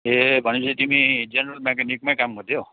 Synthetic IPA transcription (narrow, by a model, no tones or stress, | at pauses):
ebʱʌnisit̪imid͡ʒenɾʌlmekanik̚majkamːʌd̪ʱjo